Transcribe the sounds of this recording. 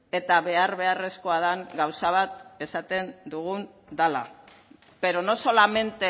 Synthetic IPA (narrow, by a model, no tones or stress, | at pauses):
e̞t̪aβe̞aɾβe̞are̞sko̞að̞aŋɡawsaβ̞at̪e̞sat̪e̞nd̪uɣ̞un | d̪ala̰ | be̞ɾo̞no̞so̞lame̞nt̪e